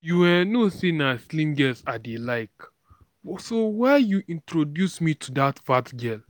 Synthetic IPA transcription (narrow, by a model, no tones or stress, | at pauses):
juwɛnosĩnaslĩŋɡɛsadelaɪk | sowɛjuʔĩntʰɹodjusmitʰudatvatɡɛl